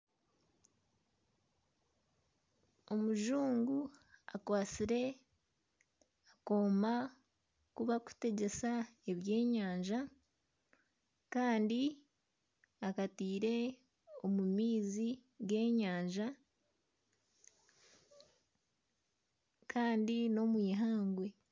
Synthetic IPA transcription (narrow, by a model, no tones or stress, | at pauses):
o̞muʒuːŋɡua̰kwaːt͡siɾe̞ | ako̞ːma | kuβaku̥te̞ɟe̞sae̞βje̞ːɲaːɲʒa | kaːndi | akatiːɾe̞ | o̞mumiːzi | ɡe̞ːɲaːɲʒa | kʰaːndino̞mwiːɦaːŋɡwe̞